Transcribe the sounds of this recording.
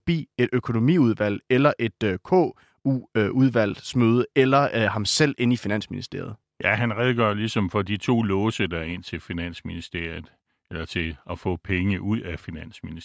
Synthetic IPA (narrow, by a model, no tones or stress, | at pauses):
b̥ḭːe̝d̥økʰo̝no̝mḭːuð̞ˠʋæl̰elɐʔe̝d̥kʰɔ̰ː | uuð̞ˠʋæl̰smøð̞ˠəelɐhɑ̈msel̰e̝nifinæn̰sminisd̥e̝ɐð̩ˠ | jæɦænʁɛð̞ˠɡ̥ɶːlisɒ̽mfɒ̽d̥it͡sʰo̝̰ːlɔːsəd̥ɑɐe̝n̰t͡sʰe̝lfinæn̰sminisd̥e̝ɐ̰jð̩ˠ | elɐt͡sʰe̝lɒfɔ̰pʰeŋəʔuð̰ˠæfinæn̰smini